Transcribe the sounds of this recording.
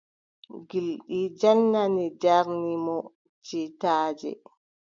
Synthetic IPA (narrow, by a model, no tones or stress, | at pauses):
ɡilɗid͡ʒanːanid͡ʒaɾnimɔ | t͡ʃitaːd͡ʒɛ̰